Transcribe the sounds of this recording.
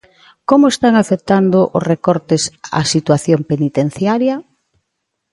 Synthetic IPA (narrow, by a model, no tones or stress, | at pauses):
komʊest̪aŋafek̚t̪and̪ʊʔʊsrekɔɾt̪esa̰sit̪waθjompenit̪en̟θjaɾjɐ